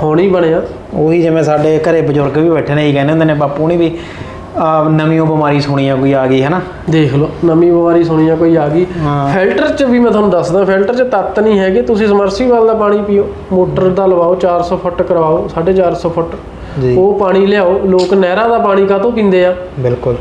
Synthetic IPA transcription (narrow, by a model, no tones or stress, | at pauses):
hoːɽiːbəɽeːãː | oːɦiːd͡ʒəʋẽːsaːɖeːkəɾeːbəd͡ʒʊɾɡʋiːbɛːʈʰːeːneːiːkɛːneːõnd̪eːnẽːbaːpuːnĩːbiː | nəmĩːõːbəmaːɾiːsʊːɽ̃iːjãːkoːiːaːɡiːɦɛːnaː | d̪eːkʰloːnəmĩːbəmaːɾiːsoːɽ̃iːãːkoːiːaːɡiːɪːlʈəɾt͡ʃbiːmɛ̃ːt̪oːnũːd̪əsd̪ãːpʰɪlʈəɾt͡ʃət̪ət̪nĩːɦɛːkɪt̪ʊsĩːsəməɾsiːʋaːld̪aːpaːɽ̃iːpiːoː | moːʈəɾd̪aːləʋaːoːt͡ʃaːɾsɔːpʰʊʈkəɾʋaːoːsaːɖeːt͡ʃaːɾsɔːpʰʊʈ | d͡ʒioːpaːɽ̃iːlɪjaːoːloːknɛːɾaːd̪aːpaːɽ̃iːkaːt̪õːp̬ĩːnd̪eːaː | bɪlkʊl